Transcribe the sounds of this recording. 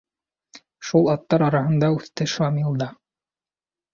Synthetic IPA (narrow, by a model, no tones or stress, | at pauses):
ʃulˠɑt̪ːɑɾɑɾɑɦɤ̆nd̪ɑʉθt̪ɘʃɑmilˠd̪ɑ